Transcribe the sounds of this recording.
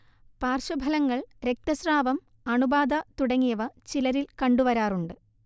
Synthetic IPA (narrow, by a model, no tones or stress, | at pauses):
paːrɕɐbʱɐlɐŋːɐɭɾe̞k̚t̪ɐsraːʋɐm | ɐɳubaːd̪ʱɐt̪uɽɐŋːijɐʋɐt͡ɕilɐɾilkɐɳɖuʋɐɾaːruɳɖɨ